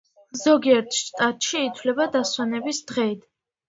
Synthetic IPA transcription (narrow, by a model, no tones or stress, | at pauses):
zɔɡiɛɾt̪ʰʃt̪ʼat̪ʼʃiːt̪ʰwlɛbad̪aswanɛbisd̪̥ʁɛid̪ʰ